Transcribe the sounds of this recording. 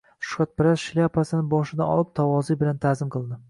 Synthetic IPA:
ʃʊ̥kat̪̚pɪɾazʃɪlʲiapʰasɪnɪbɒʃɪd̪aɒ̰lˠɪp̚t̪ʰawɒzijbɪlant̪ʰazɪmqʰɨlˠd̪ɪ

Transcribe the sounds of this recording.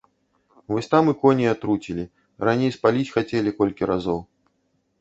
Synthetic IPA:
vɔsʲt̪amɨkɔnʲiat̪ɾut͡sʲilʲi | ranʲejspalʲit͡sʲxat͡sʲɛlʲikɔlʲkʲiɾazɔw

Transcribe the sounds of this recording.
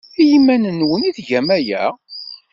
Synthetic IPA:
jimːænənwəniðʝæmæjæ

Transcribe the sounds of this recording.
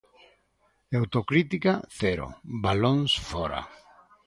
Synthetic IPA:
awt̪okɾit̪ikaθɛɾo̰baloŋsfɔɾa̰

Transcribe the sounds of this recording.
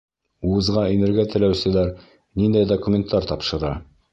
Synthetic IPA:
uɤ̆zʁɑinɘ̆ɾɡæt̪ɘ̆læwsɘ̆læɾ | nind̪æjd̪okumʲent̪ːɑɾt̪ɑpʃɤ̆ɾɑ

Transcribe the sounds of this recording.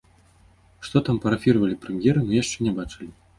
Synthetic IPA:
ʂt̪ɔt̪ampɐɾɐfʲiɾvɐlʲipɾɛmjɛɾɨnujaʂt͡ʂɛnʲɛbat͡ʂɨlʲi

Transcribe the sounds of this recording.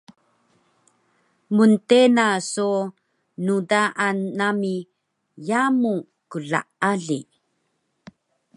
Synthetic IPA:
muntenaso | nudaʔanami | jamu | kuɮa̰aɮi

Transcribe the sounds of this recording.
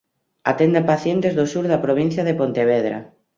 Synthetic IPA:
at̪end̪epaθjent̪ezðosuɾðɐpɾoβ̞ĩn̟θjɐðepont̪eβ̞eðɾa̰

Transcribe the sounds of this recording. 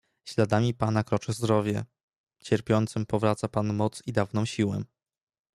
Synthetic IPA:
ɕlad̪amʲipanakɾɔt͡ʂɘzd̪ɾɔvʲjɛ | t͡ɕɛɾpʲjɔnt̪sɘmpɔvɾat̪sapanmɔt̪sid̪avnɔ̃w̃ɕiwɛ̰

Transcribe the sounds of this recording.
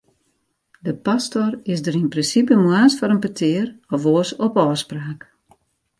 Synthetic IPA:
dəpastorɪsdəɾinprɪnsip̬əmwaːsfɔɾənpətʰɪərɔfoəsɔpɔːspraːk

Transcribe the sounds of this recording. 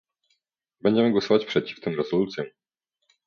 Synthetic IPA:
bɛɲd͡ʑɛmɘɡwɔsɔvat͡ɕpʂɛt͡ɕi̥ft̪ɘmɾɛz̥ɔlut̪sʲjɔ̃

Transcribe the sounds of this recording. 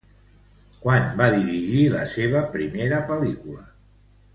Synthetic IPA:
kwanbaðiɾiʒilə̰seβ̞əpɾimeɾəpəlikulə

